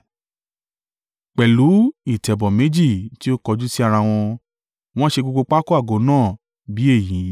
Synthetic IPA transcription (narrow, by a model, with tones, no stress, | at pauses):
k͡pɛ˨lu˨˦i˦˨tɛ˨bɔ˨mẽ˨˦d͡ʒi˦˨ti˦o˦kɔ˧d͡ʒu˦si˦a˧ɾ̃ã˧w̃ɔ̃˧ | w̃ɔ̃˦ʃe˧ɡ͡bo˧ɡ͡bo˧k͡pa˦ko˦a˦˨ɡo˨˦nãː˦˨ | bi˨˦e˦˨jĩ˨˦